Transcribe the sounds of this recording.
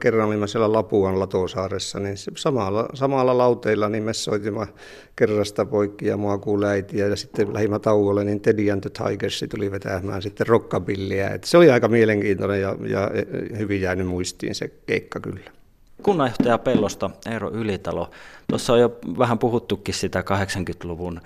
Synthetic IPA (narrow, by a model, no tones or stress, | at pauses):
kerːɑnolimːɑsielælɑpuɑnlɑt̪oˑsɑːresːɑninssɑmɑlːɑsɑmɑlːɑlɑut̪eilːɑnimmesːo̰it̪imːɑ | kerːɑst̪ɑpoikːijɑ̰muɑkuːlæit̪iæjɑsit̪ːelæ̰himːæt̪ɑuwolːennint̪ediænt̪øt̪hɑ̰ikersːit̪uliʋet̪æmˑæːnsit̪ːerrokːɑpilːiæ̰ḛt̪ːæ̥seoliɑikɑmieleŋkiːnt̪onejjɑjɑ̰hyʋijjæːnymuist̪ḭːnsḛkḛikːɑky̰lːæ̥ | kunːɑjoht̪ɑjɑpelːost̪ɑeˑiro̰ylit̪ɑlo̰t̪osːɑojjoʋæhæmpuhut̪ːukːissit̪ækɑheksɑŋkyt̪luʋun